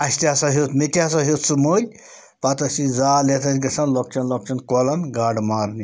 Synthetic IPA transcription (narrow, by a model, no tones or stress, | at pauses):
ɐst̪iasaɦet̪met̪ʲas̬aɦet̪sumoːlʲ | pat̪ɐsid͡zaːlet̪ʰɐsʲɡɐsɐnlɔk̚t͡ʃɐnlɔk̚t͡ʃɐnkɔlɐnɡaɽmaːɾni